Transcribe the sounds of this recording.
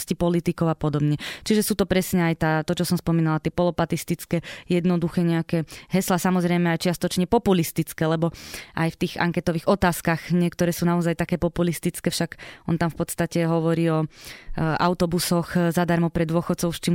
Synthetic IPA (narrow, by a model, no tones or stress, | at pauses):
scipɔlit̪ikɔʊapɔd̪ɔbɲɛt͡ʃiʒɛsuːt̪ɔpɾɛsɲɛajt̪aːt̪ɔt͡ʃɔsɔmspɔmiːnalat̪ɪɛpɔlɔpat̪ist̪it͡skɛːjɛd̪nɔd̪uxɛːɲɛakɛɦɛslasamɔzɾɛjmɛajt͡ʃɪast̪ɔt͡ʃɲɛpɔpulist̪it͡skɛːlɛbɔʔa̰jft̪iːɣa̰ŋkɛt̪ɔʋiɣɔt̪aːskaɣɲɪɛkt̪ɔɾɛːsuːnaɔzajt̪akɛːpɔpulist̪it͡skɛːfʃaɡɔnt̪amfpɔt̪st̪acɛɦɔʋɔɾiːɔ | a̰ʊt̪ɔbusɔxzad̪aɾmɔpɾɛd̪ʋʊɔxɔt̪t͡sɔʊst͡ʃim